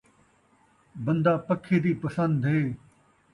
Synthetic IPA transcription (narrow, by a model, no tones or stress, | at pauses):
bɐnd̪aːpɐkʰːeːd̪iːpɐsə̃nd̪ʱɦeː